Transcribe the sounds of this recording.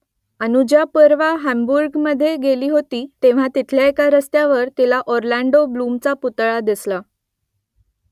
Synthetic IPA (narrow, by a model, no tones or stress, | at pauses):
ənud͡ʑjapəɾʋaɦæmbuɾɡməd̪ʱːjeɡeliːɦot̪iːt̪eʋ̤at̪it̪ʰljaekaɾəst̪jaʋəɾt̪ilaʔoɾlæɳɖoblumt͡saput̪ɭad̪isla